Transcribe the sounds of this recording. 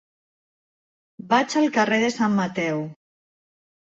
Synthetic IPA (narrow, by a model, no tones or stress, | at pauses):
bat͡ʃalˠkareðesamːat̪ɛw